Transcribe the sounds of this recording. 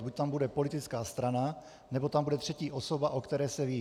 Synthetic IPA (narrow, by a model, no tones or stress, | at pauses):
buc̚t̪ambudɛpolɪt̪ɪt͡skaːst̪ɾana | nɛbot̪ambudɛt̪r̥ɛciːʔoso̞baʔokt̪ɛɾɛːsɛviː